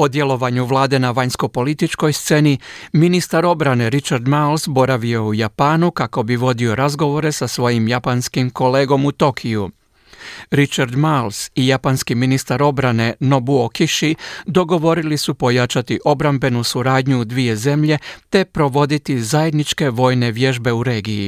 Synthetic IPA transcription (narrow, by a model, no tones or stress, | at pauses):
o̞d̪je̞lˠo̞ʋaɲuʋlˠaːd̪e̞naʋaɲsko̞po̞lit̪it͡ʃko̞jst̪se̞niminist̪aɾo̞bɾane̞ɾit͡ʃaɾd̪malsbo̞ɾaʋio̞ujapaːnukako̞biʋo̞d̪io̞ɾazɡo̞ʋo̞ɾe̞sasʋo̞ːjimjapanskimko̞le̞ːɡo̞mut̪o̞kʰiju | ɾit͡ʃaɾd̪malsijapanskiminist̪aɾo̞bɾane̞no̞buokiʃid̪o̞ɡo̞ʋo̞ɾilisupo̞jat͡ʃat̪iʔo̞bɾambe̞nusuɾaːd̪ɲud̪ʋije̞ze̞mʎe̞t̪e̞pɾo̞ʋo̞d̪it̪izaje̞d̪nit͡ʃke̞ʋo̞ːjne̞ʋje̞ʒbe̞uɾe̞ːɡiji